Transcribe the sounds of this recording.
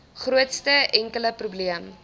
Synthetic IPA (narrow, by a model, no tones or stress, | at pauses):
χruətstəʔɛŋkələprubliəm